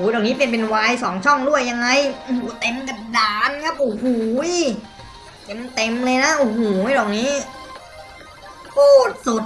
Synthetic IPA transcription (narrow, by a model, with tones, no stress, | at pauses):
ʔuː˩˦dɔː˨˩k̚niː˦˥pe˨˩ənpe˧nwaː˧jsɔː˩˦ŋt͡ɕʰɔ˥˩ŋdu˥˩əjːa˧ŋːa˧jʔu˧˩huː˩˦t̪e˧mka˨˧˩p̚daː˨˦nkʰa˦˥p̚ʔu˧˩huː˨˩˦j | ke˨˧mt̪e˧mlɤː˧jna˦˥ʔu˧˩huː˩˦dɔː˨˩k̚niː˦˥ | p̪ʰuː˥˩t̪̚su˨˩t̪̚